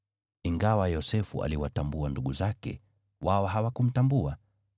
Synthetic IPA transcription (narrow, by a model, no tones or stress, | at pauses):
iŋɡawajɔsɛfṵa̰liwatambuanduɠuzakɛ̰ | waɔɦawakum̩tambua